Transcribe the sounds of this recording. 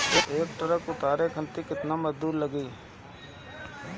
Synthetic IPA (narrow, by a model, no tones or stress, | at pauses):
oʔeːkʈ̪əɾəkʊt̪aːɾekʰə̃nt̪ikɪt̪naməzd̪uːɾləɡiː